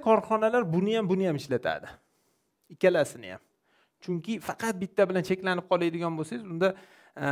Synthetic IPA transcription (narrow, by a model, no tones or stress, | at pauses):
kʰɒɾχɒnalaɾbʊnɪjambʊnɪjamɪʃlat̪ʰa̰d̪ɪ | ɪkʲalasɪnɪja̰m | t͡ʃʰʊŋkʲʰɪfɑqʰɑt̪̚bɪt̪ʰːabɪlant͡ʃʰe̞kʲlanɪp̚qʰɒlˠajd̪ɪɡʲɒnbosaɪzʊnd̪a